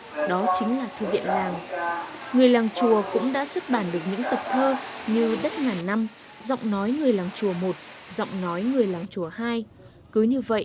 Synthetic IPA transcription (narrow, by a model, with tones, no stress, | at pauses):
ɗɔ˨˦t͡ɕï˨˦ŋ̟laː˨˩t̪ʰɨ˧vḭ˧˨ənlaː˨˩ŋ | ŋɨ˨˩əjlaː˨˩ŋt͡ɕu˨˩əkʊ̰˧˥ŋ͡mɗa̰ː˧˥swə˦˥t̚ɓaː˧˩nɗɨ˨˩ək̚ɲɨ̰˧˥ŋt̪ə˨˩p̚t̪ʰəː˧ɲɨ˧ɗə˦˥t̚ŋaː˨˩nːa˧m | zɔ̰˧˨wŋ͡mnɔ˨˦jŋɨ˨˩əjlaː˨˩ŋt͡ɕu˨˩əmo˨˩t̚zɔ̰˧˨wŋ͡mnɔ˨˦jŋɨ˨˩əjlaː˨˩ŋt͡ɕu˨˩əhaː˧j | kɨ˨˦ɲɨ˧və̰˧˨ʔ